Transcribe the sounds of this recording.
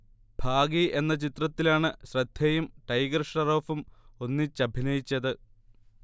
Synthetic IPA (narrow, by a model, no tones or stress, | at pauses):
bʱaːɡiʔe̞nːɐt͡ɕit̪rɐt̪ːilaːɳɨɕrɐd̪ʱjɐjumʈɐjɡrɨʂɳɐro̞ːfumo̞nːit͡ɕːɐbʱinɐjit͡ɕːɐðɨ